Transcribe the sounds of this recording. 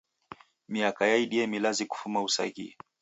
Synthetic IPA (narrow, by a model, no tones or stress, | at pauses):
miakajaiɗiɛmilaziku̥fumausa̰hḭ